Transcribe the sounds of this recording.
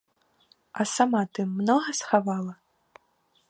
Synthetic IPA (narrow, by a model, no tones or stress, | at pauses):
ɐsamat̪ɨmːnɔɣɐsxavalˠɐ